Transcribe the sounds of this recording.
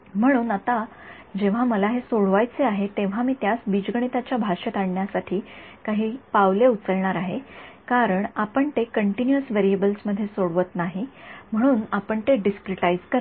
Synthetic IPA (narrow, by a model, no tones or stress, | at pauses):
m̤əɽ̃uːnat̪a | d͡ʑeʋ̤aməlaɦesoɽʋajt͡seaɦet̪eʋ̤amiːt̪jasbid͡ʑɡəɳ̃it̪at͡ɕjabʱaʂət̪aɳɳjasaʈʰiːkaɦiːpaʋleut͡səɾɳaɾaɦekaɾəɳapəɳt̪ekəɳʈinuəsʋeɾiebəlsməd̪ʱːjesoɽʋət̪naɦim̤əɽ̃uːnapəɳt̪eɖiskɾiʈajzkəɾ